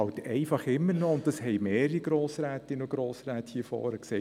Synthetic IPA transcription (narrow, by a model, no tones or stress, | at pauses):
ɑwt̪ɛɪfɑχɪmːənɔʊntd̥ɑshɛɪmeːɾəɾiɡ̥ɾoːsɾæːtɪnoɡ̥ɾoːsɾæːthiːfɔ̰ːɾəksɛ